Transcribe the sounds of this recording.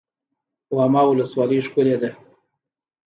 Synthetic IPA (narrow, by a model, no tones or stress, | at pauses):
wɑmɑwʊləswɑləʂkʊled̪e